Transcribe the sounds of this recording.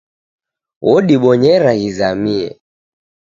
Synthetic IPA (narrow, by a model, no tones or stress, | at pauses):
wɔɗiɓɔɲɛɾaɣizamiɛ̰